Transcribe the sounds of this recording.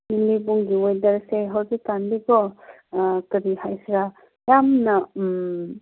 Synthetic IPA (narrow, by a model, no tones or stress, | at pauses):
nilibuŋɡiojdɐɾseɦawzitanbibɔ | kɐɾihajsɾa | jamnɐ